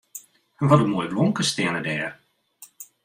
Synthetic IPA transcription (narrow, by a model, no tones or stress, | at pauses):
ʋɔtəmuːjblɔŋkəstɪənədɛːr